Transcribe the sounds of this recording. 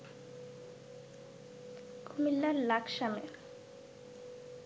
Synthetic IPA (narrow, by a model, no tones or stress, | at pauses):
kumilːaɾlakʰʃame